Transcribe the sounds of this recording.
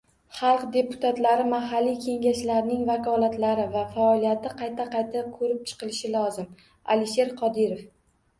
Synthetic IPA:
χɑlˠqd̪e̞pʊ̥t̪ʰat̪laɾɪmaɦalːikʲʰe̞ŋɡʲaʃlaɾnɪŋvakʰɒlˠat̪laɾɪvafaɒlijat̪ɪqʰɑjt̪ʰaqɑjt̪ʰakʰɵɾɪp̚t͡ʃʰɨ̥qɨlɪʃɪlɒzɪm | a̰lɪʃe̞ɾqʰɒd̪ɪɾo̞f

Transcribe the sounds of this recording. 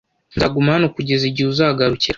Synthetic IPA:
nzaɡumaanokuɟeziɟiuzaɡaɾuciɾ

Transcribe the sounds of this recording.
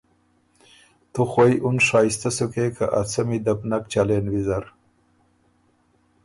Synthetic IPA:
t̪uxwojʔunʂɑjst̪asukekʰaʔat͡samid̪apnak̚t͡ʃalenwizaɾ

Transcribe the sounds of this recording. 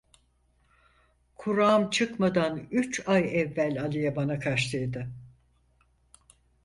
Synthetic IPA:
kʰuɾaːmt͡ʃʰɯkmad̪anyt͡ʃajɛvːælʲalˠɯjabanakʰaʃlˠɯjd̪ɯ

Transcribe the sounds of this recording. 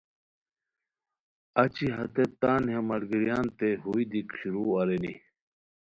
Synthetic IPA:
ɐt͡ɕiɦɐt̪et̪aːnɦemɐɽɡiɾijaːnt̪eɦuid̪ikɕuɾuːɐɾenḭ

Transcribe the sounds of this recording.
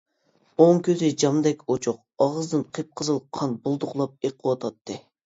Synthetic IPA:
oŋkʲʰøzɪd͡ʒɑmd̪ɛkʲot͡ʃʰuq̚ | ɑʁəzd̪ɨnqʰep̚qʰəzɨlˠqʰɑnbolˠd̪ʊqlˠɑp̚eqʰəwɑt̪ʰɑt̪ʰːɨ

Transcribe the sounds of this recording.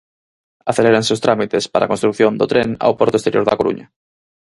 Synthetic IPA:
aθeleɾanseʊwst̪ɾamit̪espaɾa̰konst̪ɾukθjond̪ʊt̪ɾeŋa̰wpɔɾt̪oest̪eɾjoɾða̰koɾṵɲɐ

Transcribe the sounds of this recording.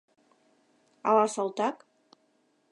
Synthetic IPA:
ɑ̰lɑsɑlˠt̪ɑk

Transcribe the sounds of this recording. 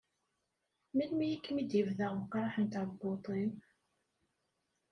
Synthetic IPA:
milmijikːmid̪jəvðæʁkɾˤɑħənt̪aðɡot̪ˤin

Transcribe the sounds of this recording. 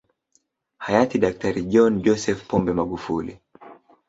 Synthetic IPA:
hajatiɗak̚taɾiʄɔnd͡ʒɔsɛfpɔmbɛmaɡufulḭ

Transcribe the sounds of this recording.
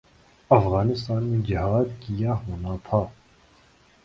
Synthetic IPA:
ɐfɣaːnɪst̪aːnmẽd͡ʒɪɦaːd̪kijaɦoːnat̪ʰaː

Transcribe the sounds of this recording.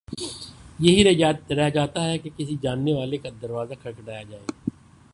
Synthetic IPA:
jɐɦiɾɾɛɦd͡ʒaːt̪aɦɛkekɪsid͡ʒaːnːeʋaːlekad̪əɾʋaːzakʰɐɾkɖaːjad͡ʒaːḛː

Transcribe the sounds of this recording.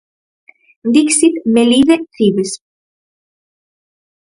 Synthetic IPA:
nd̪iksit̪meliðeθiβes

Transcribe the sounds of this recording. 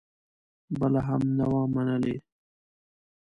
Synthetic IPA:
bəlaɦamnawɑ̃ːmanəle

